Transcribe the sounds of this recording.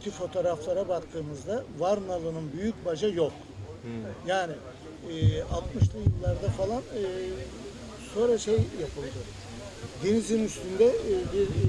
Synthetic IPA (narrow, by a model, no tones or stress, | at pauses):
t̪ʰifo̞t̪ʰo̞ːɾaflˠaɾabakt̪ʰɯːmɯzd̪avaɾnalˠɯnɯnbyjycbaʒajo̞k | jaːnɪ | alt̪mɯʃlˠɯjɯlˠːaɾd̪afalˠanɯː | so̞nɾaʃejjapʰɯlˠd̪ɯ | d̪e̞nizinyst̪ʰynd̪ɛbiɾ